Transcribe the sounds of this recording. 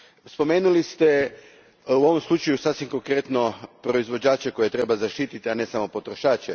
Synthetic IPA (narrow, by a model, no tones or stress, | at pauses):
spo̞meːnulist̪e | uo̞ʋo̞mslˠut͡ʃajusasʋimko̞ŋkɾet̪no̞pɾo̞izʋo̞d͡ʑaːt͡ʃeko̞jet̪ɾe̞bazaʃt̪iːt̪it̪iane̞samo̞po̞t̪ɾoʃaːt͡ʃe